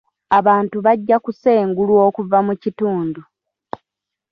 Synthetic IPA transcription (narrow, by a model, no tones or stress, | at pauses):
aβaːntuβaɟːakuse̞ːŋɡulwo̞ːkuvamucituːndu